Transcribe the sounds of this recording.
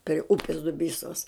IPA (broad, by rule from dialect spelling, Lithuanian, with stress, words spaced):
pʲrʲɪ ˈʊpʲɪs dʊˈbʲiːsoːs